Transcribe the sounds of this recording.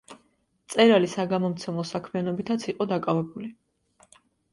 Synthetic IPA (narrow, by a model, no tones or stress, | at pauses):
t̪sʼɛɾalisaɡamɔmt̪sʰɛmlˠɔsakʰmianɔbit̪ʰat̪sʰiqʼɔd̪akʼavɛbuli